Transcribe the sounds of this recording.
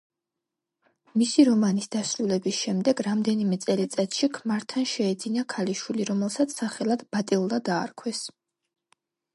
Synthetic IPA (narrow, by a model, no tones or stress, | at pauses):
misiɾɔmanisd̪asɾulɛbisʃɛmd̪ɛɡɾamd̪ɛnimɛt̪sʼɛlit̪sʼɛt̪ʃikʰmaɾt̪ʰanʃɛɛd̪zinakʰaliʃwiliɾɔmɛlˠsat̪sʰːaχɛlˠad̪̥bat̪ʼilˠd̪ad̪a̰ːɾkʰwɛs